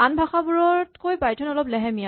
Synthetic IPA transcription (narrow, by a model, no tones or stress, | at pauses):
anbʱaxabuɹɔɹtkojbajtʰɔnɔlɔplɛɦɛmija